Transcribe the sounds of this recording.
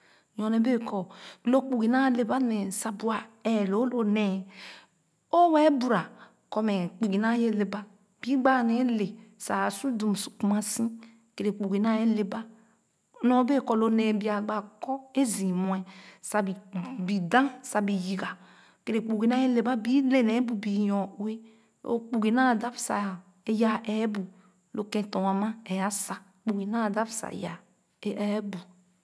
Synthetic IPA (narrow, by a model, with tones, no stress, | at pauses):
jɔ˨ne˨be˦˨kɔ˨lo˦k͡pu˨ɡi˨na˦le˨ba˦ne˨sa˨bu˨a˨ɛ˨lo˨˦lo˨ne˨ | o˦we˦bu˨ɾa˨ | ko˨me˨k͡pi˨ɡi˨na˦je˦le˨ba˦ | b̥i˦ɡ͡ba˦˨ne˨˦le˨sa˨su˦du˨m˨su̥˨ku˨ma˦sĩ˦ | ke˨ɾe˨k͡pu˨ɡi˨na˦je˦le˨ba˦ | no˨˦be˦˨kɔ˨lo˨ne˨bi˨a˨ɡ͡ba˨kɔ˦e˦zĩ˨mũ˨ɛ˨sa˨bi˨bi˨dã˦sa˨bi˨ji˨ɡa˨ | ke˨ɾe˨k͡pu˨ɡi˨na˦e˦le˨ba˦bi˦le˦˨nɛ˨˦bu˨bi˨jɔ˨we˦ | o̰˨k͡pu˨ɡi˨na˦˨da˦fsa̰˨ | e˨ja˨ʔɛ˨˦bu˨ | lo˨kɛ̃˨tɔ˨wa˨mã˦ɛ˨ja˦sa˨ | k͡pu˨ɡi˨na˦˨da˦fsa̰˨ja˨˦ | ɛ˨˦bu˨